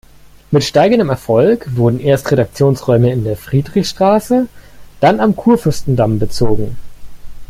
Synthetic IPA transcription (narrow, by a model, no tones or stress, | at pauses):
mɪtʃtaɪɡəndəmɛɐfɔlkv̥ʊɐdn̩ʔeːɐstʁeɾak̚t͡sjoːnsʁɔʏməɪndeːɐfʁ̥iːdʁɪçʃtʁ̥aːsəd̥anamkʰuːɐfʏɐstn̩dambət͡soːɡŋ̩